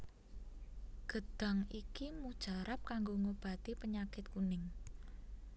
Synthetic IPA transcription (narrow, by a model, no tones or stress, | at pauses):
ɡ̥ə̤d̪̥a̤ŋikimud̥ʒ̥a̤ɾap̚kaŋɡoŋob̥a̤t̪ipəɲakɪt̪̚kunɪŋ